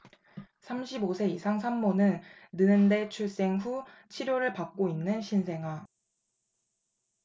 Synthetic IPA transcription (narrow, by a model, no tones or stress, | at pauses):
sʰamɕʰibosʰe̞isʰaŋsʰammʌnɯnːɯnɯnde̞t͡ɕʰuɭs͈e̞ŋɸu | t͡ɕʰiɾjoɾɯɭpak̚k͈oinːɯnɕʰinsʰe̞ŋɦa